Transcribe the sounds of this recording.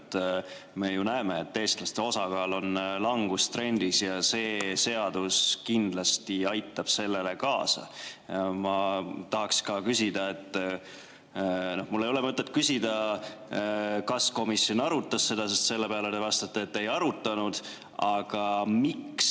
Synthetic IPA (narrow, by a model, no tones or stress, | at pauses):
t̪ː | me̞junæemeet̪ːe̞ːst̪lɑst̪e̞o̞sɑɡɑːlo̞nlɑŋɡ̥ust̪re̞nʲd̪̥isjɑse̞ːse̞ɑd̪̥uskind̪̥lɑst̪iɑjt̪ˑːɑb̥se̞lːe̞le̞kɑːsɑ̰ | mɑt̪ɑɦɑkskɑkysʲid̪ɑe̞t̪ˑː | no̞hmulːe̞jo̞le̞mɤt̪ˑːe̞t̪̚kysʲid̪̥ɑ | kɑsko̞misːjo̞nɑɾut̪ːˑɑsːe̞d̪̥ɑsest̪se̞lːepeɑlet̪evɑst̪ɑt̪ːˑeːt̪ːe̞jɑɾut̪ːˑɑnud̪̥ | ɑɡ̥ɑmiks